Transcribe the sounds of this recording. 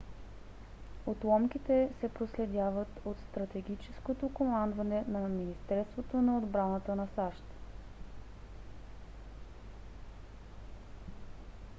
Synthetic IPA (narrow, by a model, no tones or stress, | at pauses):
ot̪lˠɔmk̟it̪ɛsɛpɾoslɛd̪ʲjavət̪ot̪st̪ɾɐt̪ɛɡʲit͡ʃɛskot̪okomand̪vɐnɛnɐminist̪ɛɾst̪vot̪onɐod̪bɾanət̪ənɐsaʃt̪